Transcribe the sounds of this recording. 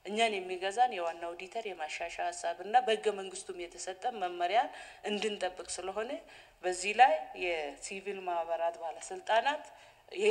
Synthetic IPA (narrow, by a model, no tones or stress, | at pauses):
ʔɨɲːanjɛmːiɡəzanjɛwanːawd̪it̪ʰəɾjɛmaʃaʃahasːaβɨnːabəhɨɡːəməŋɡɨst̪ʰumjɛt̪ʰəsət̪ʼːəmməmːəɾjalʔɨnd̪ɨnt̪ʼəbːɨkʼsɨləɦo̞nə | bəzːihlajːɛsivilmahβəɾat̪bahləsɨlt̪ʼanat̪ | jɛ